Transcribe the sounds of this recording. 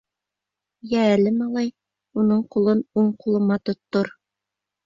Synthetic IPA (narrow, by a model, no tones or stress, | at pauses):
jæːlɘmɑlˠɑj | unɤɴqulˠɤnuɴqulˠɤ̆mɑt̪ŏt̪ːoɾ